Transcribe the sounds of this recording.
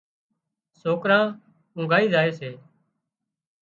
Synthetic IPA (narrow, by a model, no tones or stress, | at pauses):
soːkɾãː | ʊ̃ŋɡʱaːiːzaːeːseː